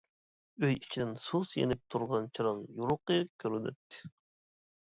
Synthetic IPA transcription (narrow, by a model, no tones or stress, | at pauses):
øjit͡ʃʰid̪ɪnsusjḛnɪp̚t̪ʰuɾʁɑnt͡ʃʰiɾɑŋjuɾʊqɨkʲʰøɾynɛ̰t̪ʰːɪ̥